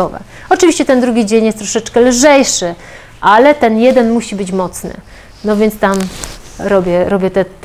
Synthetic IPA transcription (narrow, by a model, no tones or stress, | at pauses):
ɔvɛ̰ | ɔt͡ʂɘvʲiɕt͡ɕɛt̪ɛnd̪ɾuɡʲid͡ʑeɲjɛst̪ɾɔʂɛt͡ʂkɛlʐɛjʂɘ | ʔalɛt̪ɛnjɛd̪ɛnmuɕibɘt͡ɕmɔt̪snɘ̰ | nɔvʲjɛnt̪st̪am | ɾɔbʲjɛɾɔbʲjɛt̪ɛ